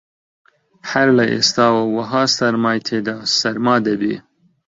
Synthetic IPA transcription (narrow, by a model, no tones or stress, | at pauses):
haɾlɐʔḛst̪ɑːwɐwɐɦɑːsɐɾmaːjt̪ʰed̪aːsɐɾmɑːd̪ɐbeː